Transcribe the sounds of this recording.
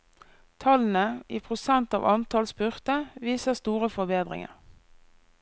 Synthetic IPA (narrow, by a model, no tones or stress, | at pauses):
t̪ʰɑln̩əʔiːpʰʁʊsɛnt̪ɑ̰ːʋʔɑnt̪ɑlsbʏʁt̪əʋiːsəʁst̪uːʁəfɔbeːd̪ʁɪ̰ŋə̰ʁ